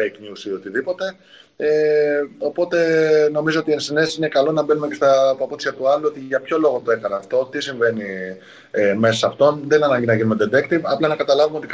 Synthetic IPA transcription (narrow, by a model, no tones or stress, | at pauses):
ejknusio̞t̪iðipo̞t̪e̞ | eo̞po̞t̪e̞no̞mizoot̪iensinesine̞kɐlo̞nɐbe̞nume̞ce̞st̪ɐpɐpot̪isiɐt̪uɐluo̞t̪iʝɐpço̞lo̞ɣot̪o̞e̞xɐnɐːft̪o̞t̪isiɱve̞ni | eme̞sɐsɐft̪o̞nðenɐnɐɲɟinɐʝinumed̪ed̪ekt̪ivɐplɐnɐkɐt̪ɐlɐvumeo̞t̪ik